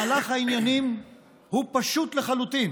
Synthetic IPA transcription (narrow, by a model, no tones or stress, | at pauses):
laχhainjanim | hupaʃut̪leχalut̪in